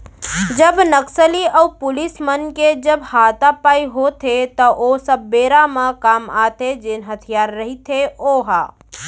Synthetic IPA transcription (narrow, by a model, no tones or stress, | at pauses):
d͡ʒəbnəksəliɔːpʊlɪsmənked͡ʒəbhaːt̪apaːiɦot̪ʰet̪ɔʔosəbːeːɾamãkaːmaːt̪ed͡ʒɪnɦət̪ʰijaːɾːɐɦit̪ʰeoːɦaː